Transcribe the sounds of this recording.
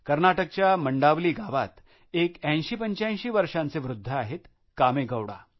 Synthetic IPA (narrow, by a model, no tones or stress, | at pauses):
kəɾnaʈək̚t͡ɕjaməɳɖaʋliːɡaʋat̪ | ekɛ̃ɕiːpəɲt͡ɕãɕiːʋəɾʂãnt͡seʋɾud̪ʱːəaɦet̪ | kameɡəwɽa̰